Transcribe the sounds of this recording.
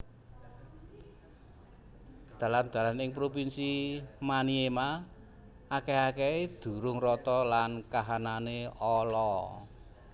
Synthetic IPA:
d̪̥ä̤land̪̥ä̤lanɪŋpɾopinsimaniema | ʔːkeakeed̪̥ṳɾʊŋrɔt̪ɔlankaɦananeɔlɔ

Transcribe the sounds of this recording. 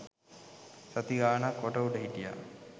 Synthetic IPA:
sat̪iɡaːnakːoʈəuɖəɦiʈija̰

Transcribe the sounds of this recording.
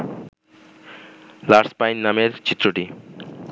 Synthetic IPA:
laɾspajnːameɾt͡ɕit̪ːɾoʈi

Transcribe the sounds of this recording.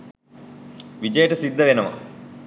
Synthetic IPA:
ʋid͡ʑɐjəʈəsid̪ʱːɐʋenɐʋɐ̰

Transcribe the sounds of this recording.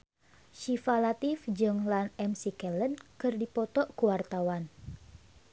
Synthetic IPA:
ʃifalat̪ifd͡ʒɨŋlanɛmsikɛlənkɨrdipɔt̪ɔʔkuwart̪awan

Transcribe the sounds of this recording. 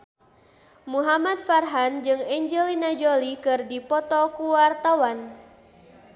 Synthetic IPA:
muɦamat̪̚farɦand͡ʒɨŋɛɲd͡ʒɛlinad͡ʒolikɨrdipɔt̪ɔkuwart̪awan

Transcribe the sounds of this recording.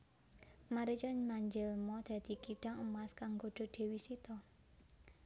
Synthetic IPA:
maɾit͡ʃɔnmaɲd͡ʒɪlmɔd̪̥ä̤d̪̥i̤kiɖ̥aŋəmaskaŋɡoɖ̥ɔ̤ɖ̪̥e̤wisit̪ɔ

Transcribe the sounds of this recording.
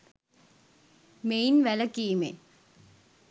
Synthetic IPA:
mejnʋælɐkiːmḛ

